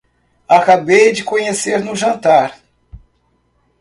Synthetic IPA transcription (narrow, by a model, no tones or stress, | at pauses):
akabejd͡ʒɪkõɲeseɾnʊʒɐ̃nt̪aɾ